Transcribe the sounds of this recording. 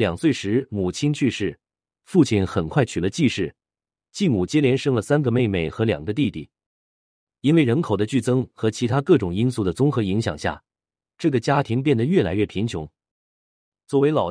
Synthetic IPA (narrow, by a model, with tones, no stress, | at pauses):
ljɑ˨˩ŋswe˥˩ɪʂɻ̩˧˥mu˨˩t͡ɕʰi˥nt͡ɕʰy˥˧ʂɻ̩˥˩ | fu˥˧t͡ɕʰi˥˩nxə˨˩nkʰwa˥˩ɪt͡ɕʰy˨˩lə˦t͡ɕi˥˧ʂɻ̩˥˩ | t͡ɕi˥˩mu˨˩t͡ɕjɛ˥ljɛ˧˥nʂɤ˥ŋlə˨sa˥nɡə˨me˥˧ɪme˥˩ɪxɤ˧˥ljɑ˨˩ŋɡə˦t̪i˥˧t̪ḭ˥˩ | i˥nwe˥˩ɪɻə˧˥nkʰo˨˩ʊd̪ə˦t͡ɕy˥˩t͡sɤ˥ŋxɤ˧˥t͡ɕʰi˧˥t̪ʰa˥kɤ˥˩ʈ͡ʂʊ˨˩ŋi˥nsu˥˩d̪ə˩t͡sʊ˥ŋxɤ˧˥i˧˥ŋɕjɑ̰˨˩ŋɕja̰˥˩ | ʈ͡ʂɤ˥˩ɡə˩t͡ɕja˥t̪ʰi˧˥ŋp̬jɛ˥˩nd̪ə˩ɥɛ˥˩la̰˧˥ɪɥɛ˥˩pʰi˧˥nt͡ɕʰjʊ̰˧˥ŋ | t͡swɔ˥˩we˧˥ɪlɑ˨˩ʊ